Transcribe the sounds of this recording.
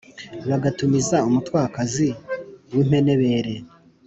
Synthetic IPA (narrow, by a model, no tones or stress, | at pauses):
βaɡatumizaumutwaːkaziwiːm̥e̞ne̞βe̞ːɾe̞